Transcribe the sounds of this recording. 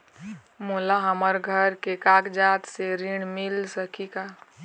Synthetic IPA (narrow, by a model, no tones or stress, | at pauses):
molaɦəməɾɡʱəɾkekaːkd͡ʒaːt̪seɾɪɽ̃mɪlsəkʰikaː